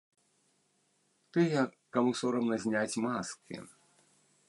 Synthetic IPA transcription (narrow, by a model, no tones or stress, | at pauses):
t̪ɨjɐ | kamusɔɾɐmnɐzʲnʲat͡sʲmaskḭ